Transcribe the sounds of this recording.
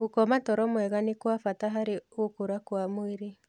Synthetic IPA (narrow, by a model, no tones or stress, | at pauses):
okɔmatɔɾɔmwɛɣanekwafataɦaɾeokoɾakwamoeɾe